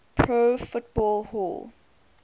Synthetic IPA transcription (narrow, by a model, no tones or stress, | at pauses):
pʰɹofʊt̚b̥ɔlhɔl